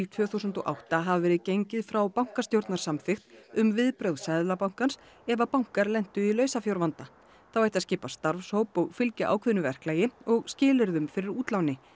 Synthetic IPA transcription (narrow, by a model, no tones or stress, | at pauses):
t̪ʰvœːθusʏnt̪ɔʔa̰wht̪aɦavavɛːɾɪðcejɲcɪðfɾawpawŋ̥kast̪jowɾt̪naɾsamfɪxt̪ʏmvɪðpɾœwðsaðlapawŋ̥kans | ɛvapawŋ̥kaɾlɛnt̪ʏilœːɥsafjowɾvant̪a | θawajt̪aðscɪːpast̪aɾfshowpɔɣfɪlcʏʔa̰wkʰvʏðnʏvɛr̥klaːjɪɔɣscɪːlɛɾðʏmfɪɾɪɾuːt̪lawnɪ